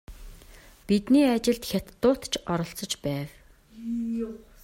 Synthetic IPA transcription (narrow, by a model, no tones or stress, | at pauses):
pit̪niːat͡ɕɪ̆ɮt̪xʲat̪ːʊːt̪t͡ɕʰɔɾɞ̆ɬt͡sɞ̆t͡ɕpæːw